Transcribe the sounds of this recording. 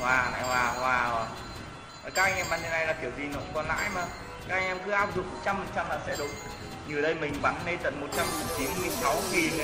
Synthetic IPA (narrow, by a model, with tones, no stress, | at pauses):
vwaː˨˩na̰ː˧˨jwaː˨˩waː˨˧˩waː˨˩ | ʔəː˨˩kaː˦˥k̚ʔa˧jŋ̟ʔɛ˧mɓaː˨˩ɲə˧˩na˧jlaː˨˩t̪ʰi˧˩əwzi˨˩nɔ˨˦˧kɔ˧nla̰ː˧˥jmaː˨˩ | kaː˦˥k̚a˧ŋʔɛ˧mkɨ˨˦ʔaː˦˥wp̚zɨ˨˩k͡p̚mo˨˩t̚t͡ɕa˧mfi˨˩t͡ɕa˧mlaː˨˩sɛ̰˧˥ɗʊ˨˦ŋ͡m | ɲɨ˨˩əɗə˧jmï˨˩ŋ̟ɓa˨˩nːe˧t̪ə̰˧˨nmo˨˩t̚t͡ɕa˧m˨˩t͡ɕi˨˦nmɨ˨˩əŋsa˨˦wŋi˨˩n